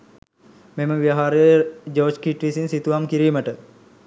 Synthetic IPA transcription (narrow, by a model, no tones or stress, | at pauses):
meməʋijaɦaɾəjəd͡ʒoːd͡ʒkiʈʋisinsit̪uʋamkiɾiːməʈə